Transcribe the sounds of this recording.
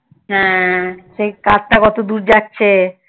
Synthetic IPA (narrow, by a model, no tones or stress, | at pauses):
ɦɛ̃ʃekatʈakɔt̪od̪uɾd͡ʑatːɕʰe